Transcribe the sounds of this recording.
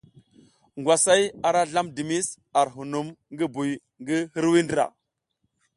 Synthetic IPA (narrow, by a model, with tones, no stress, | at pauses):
ŋɡwʷa˨sa˦ja˨ɾa˦ɮa˦mdi˨mi˦s | a˨ɾɦu˨nu˦mŋɡi˦bu˨j | ŋɡi˦hi˦ɾwi˦ndi˦ɾa̰˨